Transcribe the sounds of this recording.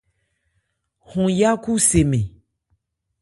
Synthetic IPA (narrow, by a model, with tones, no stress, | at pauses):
hũ˨ja˦ku˦se˨mẽ˨